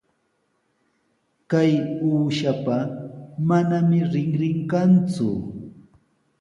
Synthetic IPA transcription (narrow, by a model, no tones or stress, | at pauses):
kajuːʃapamanamɪɾɪŋɾɪŋkant͡sʊ̰